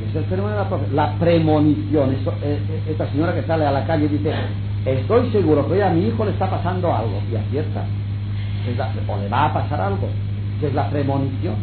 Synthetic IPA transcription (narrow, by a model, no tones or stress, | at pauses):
eselfemonlap̪ɾoθelapɾemoniθjonesoe | est̪aseɲoɾakesalealakaʎeðiθe | est̪o̞jse̞ɣuɾo̞keojamiixo̞le̞st̪apasand̪oa̰lɣo̞̰ia̰θjeɾt̪a̰ | ezla | o̰le̞βaːpasaɾalɣo̰ | kezlapɾemo̞niθjon